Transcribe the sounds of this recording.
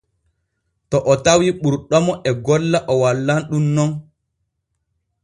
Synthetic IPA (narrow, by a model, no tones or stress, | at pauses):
tɔʔɔtawiɓuɾɗɔmɔʔɛɡɔlːaʔɔwalːanɗumnɔn